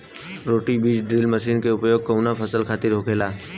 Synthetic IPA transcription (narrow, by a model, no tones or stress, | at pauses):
ɾoːʈibiːd͡ʒɖɾiːlməʃiːnkeʊpjoːɡ̚kəʊnapʰəsəlkʰaːt̪ɪɾɦoːkʰeːlaː